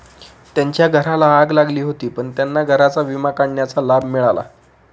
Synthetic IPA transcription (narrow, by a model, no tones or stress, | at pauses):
t̪jaɲt͡ɕjaɡʱəɾalaːɡlaɡliːɦot̪iːpəɳt̪janːaɡʱəɾat͡saʋimakaɳːjat͡salabmiɭala̰